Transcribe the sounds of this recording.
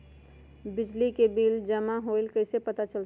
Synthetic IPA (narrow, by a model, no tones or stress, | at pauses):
bid͡ʒlikebild͡ʒəmaɦojlkəɪsepət̪at͡ʃəl